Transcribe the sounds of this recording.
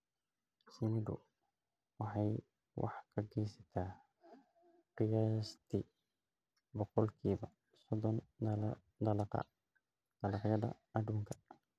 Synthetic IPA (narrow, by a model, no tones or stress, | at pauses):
sɪnɪd̪ʊ̰ | wɑħɑj | wʔɑ̰ħkʰɐɡɛːsɐt̪ʰaː | rɪjast̪ʰɪ | bɔqɔlkʰiːbɐ | sɔd̪ɔn | d̪ɐlqɐ̰ | d̪̥ɐlɑqjɐdɐ̰ | ɐd̪uːŋkʰɐ̥